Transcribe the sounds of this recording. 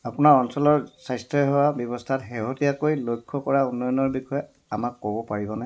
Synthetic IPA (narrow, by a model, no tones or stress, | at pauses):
apunaɹɔnsɔlɔɹsajstɹɔɦɔwabjɔbɔstʰatɦɛɦotijakojlojkʰːɔkɔɹaunːɔjɔnɔɹbixɔjɛ | amakːobɔpaɹibɔna